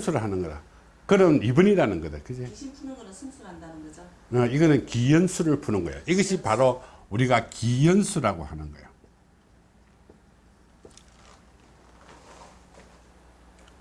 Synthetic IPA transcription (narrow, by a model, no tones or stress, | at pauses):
sʰuɾɯɭɦanɯnɡʌda̰ | kɯɾʌnibɯɲiɾanɯnɡʌdeokɯd͡ʑe | ʌiɡʌnɯnkijʌnsʰuɾɯɭpʰunɯnɡʌḛjoiɡʌɕʰipaɾouɾiɡakijʌnsʰuɾaɡo̰hanɯnɡʌḛjo